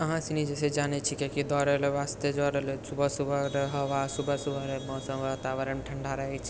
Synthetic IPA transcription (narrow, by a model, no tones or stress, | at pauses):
əɦãsinid͡ʒɛsed͡ʒanɛt͡ʃʰikekid̪ɔɾeleʋast̪ed͡ʒɔɾelesubʱəsubʱəɾeɦəʋasubʱəsubʱəɾemɔːsə̃mʋət̪aʋəɾəɳʈʰəɳɖaɾəɦɛt͡ʃʰ